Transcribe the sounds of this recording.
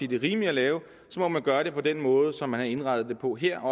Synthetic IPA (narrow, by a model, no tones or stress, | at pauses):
id̥eʁḭːmiælɛːʊ | sɒ̽mɒ̽mænɡ̥ɶːɐd̥e̝pʰɒ̽d̥enmɔ̽ːð̞̩ˠəsɒ̽mːænhɑe̝nʁɑ̈d̥ð̞̩ˠd̥e̝pʰɒ̽ɦeɐ̰ɒ̽